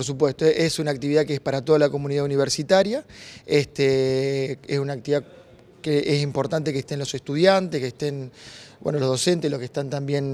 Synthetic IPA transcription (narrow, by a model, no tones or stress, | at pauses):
poɾs̬upwe̞st̪oʔesunak̚t̪iβiðakeespaɾat̪o̞ð̞alako̞muniðauniβeɾsit̪aɾjaest̪e | esunak̚t̪iβiða | keʔesimpo̞ɾt̪ant̪e̞keht̪e̞nlose̞st̪uð̞jant̪ehkeht̪enbwenolo̞hðo̞se̞nt̪eslokeht̪ant̪ambje̞n